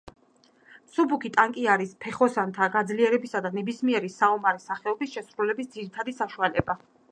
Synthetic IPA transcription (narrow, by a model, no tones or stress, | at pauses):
subukʰit̪ʼaŋkʼiaɾispʰɛχɔsant̪ʰaɡad̪zliɛɾɛbisad̪anɛbismiɛɾisaɔmaɾisaχɛɔbisʃɛsɾulɛbis̬d̪z̥iɾit̪ʰad̪isaʃualɛba